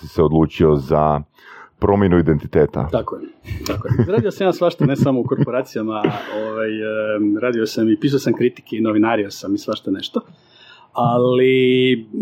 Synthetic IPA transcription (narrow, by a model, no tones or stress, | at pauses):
siseod̪lˠuːt͡ʃio̞za | pɾo̞mjenuid̪ent̪it̪eːt̪a̰t̪akojet̪akojɾaːd̪ijosamjaːsʋaʃt̪anesamo̞uko̞ɾppoɾaːt̪sijamaoʋajɾaːd̪io̞samipiːsujosamkɾit̪i̥keinoʋinaɾio̞samisʋaʃt̪aneʃt̪o | ali